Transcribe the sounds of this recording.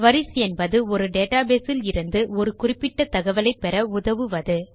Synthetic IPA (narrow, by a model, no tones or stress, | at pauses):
ʋɐɾɪsɛnbɐðɯɔɾɯɖeːʈaːbeːsɪlɪɾɯnd̪ɯɔɾɯkʊrɪpːɪʈːɐt̪ːɐɣɐʋɐlɐɪpːɛɾɐʊðɐʋɯʋɐðɯ